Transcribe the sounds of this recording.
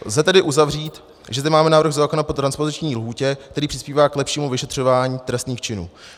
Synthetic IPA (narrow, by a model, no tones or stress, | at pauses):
zɛt̪ɛdɪʔuzavriːt̪ | ʒɛzd̪ɪmaːmɛnaːvɾ̩ɣzaːkonapot̪ɾanspo̞zɪt͡ʃɲiːlɦuːcɛk̚t̪ɛɾiːpr̥ɪ̥spiːvaːklɛpʃiːmuvɪʃɛt̪r̝̥o̞vaːɲiːt̪ɾɛst̪niːxt͡ʃɪnṵː